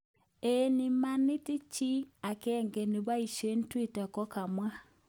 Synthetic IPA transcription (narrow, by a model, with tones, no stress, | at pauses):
eni˨ma˦ni˦ti˦t͡ʃi˦a˨kɛ˦ŋɡɛ˨ni˨βa˦i˨ʃe˦n̩˦twi˦˨ta˨kɔ˦ka˨mwa˦